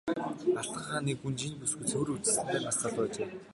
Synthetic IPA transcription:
aɬt̪ə̆ɴχaːniːkxunt͡ɕinpusɡɘ̆t͡sʰɵwɾut͡ɕɘ̆sɘ̆nt̪æːmasaːt̪œːt͡ɕeː

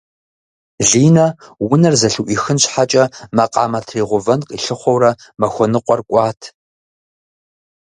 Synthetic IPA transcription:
ɮiːnɐwʊnɐrzɐɬuʔiːxɨnɕħat͡ʃʼɐmɐqʼɑ̰ːmɐtʰreːʁʷʊvɐnqʼḭɬɨχʷɔwrɐmɐxʷɔnɨqʷʼɔrkʷʼɑːtʰ

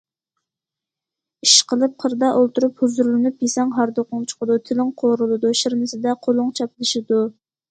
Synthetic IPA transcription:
iʃqəlˠɨp̚qʰəɾd̪ɑʔolˠt̪uɾuphuzuɾlˠɨnɨp̚jesɛŋɦɑɾd̪oqʊŋt͡ʃʰə̥qəd̪ut̪ʰɪlɪŋqʰoɾɨlˠɨd̪uʃiɾmɪsɪd̪ɛqʰolˠʊŋt͡ʃʰɑplˠɨʃɪd̪u

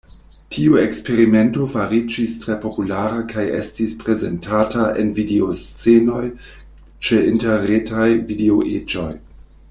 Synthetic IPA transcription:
tʰiuekspe̞ɾime̞nto̞faɾid͡ʒistɾe̞po̞pulaɾakʰajʔe̞̰stispɾe̞ze̞ntʰataʔḛnvideost͡seno̞j | t͡ʃe̞inteɾetajvideoʔed͡ʒo̞j

